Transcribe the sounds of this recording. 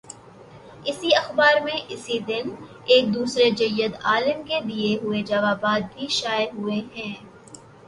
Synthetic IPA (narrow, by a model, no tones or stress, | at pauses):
ɪsiɐxbaːɾmẽʔɪsid̪ɪn | eːk̚d̪uːsɾed͡ʒɐjːəd̪aːlɪmked̪ieɦʊed͡ʒaːʋaːbaːd̪̚bʱiʃaːɪɦʊeɦɛ̃ː